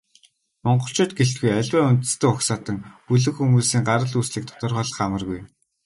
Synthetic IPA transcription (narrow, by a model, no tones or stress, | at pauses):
mɔɴɢɞ̆ɬt͡ɕʊːt̪̚ɡeɬt̪ɡujæɮʲwæːunt̪ɘ̆st̪ɘ̆kʊksaːt̪ə̆ŋpuɮɘ̆kxumuːsiːŋɢaɾə̆ɮusɮĭːk̚t̪ʰɔ̥t̪ɞ̆rχɔɮ̆χamə̆rɣuj